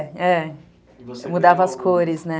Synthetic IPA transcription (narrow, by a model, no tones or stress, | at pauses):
ɛ | mud̪avɐɐskʰoɾɪznɛ